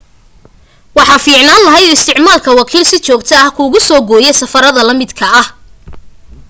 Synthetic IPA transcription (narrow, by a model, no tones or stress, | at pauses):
wɑħɑːfiːʕnaːnlɐɦɛjɔɪst̪ʰɪʕmaːlkʰɐwɑkʰiːlsɪt͡ʃɔːɡt̪ʰɐɐhkʰuːɣʊsɔːɡɔːjɛsɐfɐɾɐðɐlɐmɪd̪kʰɐɐh